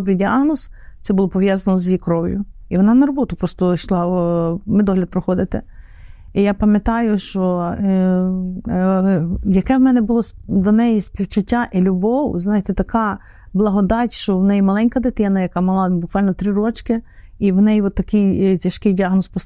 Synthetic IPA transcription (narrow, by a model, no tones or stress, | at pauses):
ɔbɾɪdʲiɑɦnɔst̪sɛbʊlˠɔpɔʋjazɐnɔzʲjijkɾɔwʲjʊ̰iʋɔnɑnɐɾɔbɔt̪ʊpɾɔst̪ɔʃlˠɑmɪd̪ɔɦlʲɐd̪̚pɾɔxɔd̪ɪt̪ɪ | ijapɐmʲjɐt̪ɑjʊʃt͡ʃɔ | jɐkɛwmɛnɛbʊlˠɔsd̪ɔnɛjisʲpʲiwt͡ʃʊtʲːaʔilʲʊbɔwznɑjet̪ɛt̪ɐkɑ | blˠɐɦɔd̪ɑtʲʃt͡ʃɔwnɛjimɐlˠɛnʲkɐd̪ɪt̪ɛnɐjɐkɑmɔlˠɑbʊkʋɑlʲnɔt̪ɾɪɾɔt͡ʃkɪiwnɛjʋɔt̪ːɐkɪjtʲɐʃkɪjdʲiaɦnɔspɔs